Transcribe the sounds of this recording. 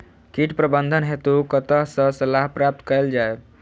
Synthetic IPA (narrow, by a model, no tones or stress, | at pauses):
kiʈpɾəbənd̪ʱənɦet̪ukət̪əɦsə̃səlaɦpɾap̚t̪kəɪld͡ʒae